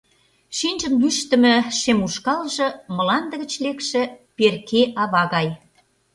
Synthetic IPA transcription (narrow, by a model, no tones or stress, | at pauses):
ʃinʲʒə̆nlyʃt̪ə̆mə̆ʃemuʃkɑlʒɤ̆mə̆lɑnd̪ə̆ɣə̆t͡ɕlekʃĕperkeʔɑβɑɣɑj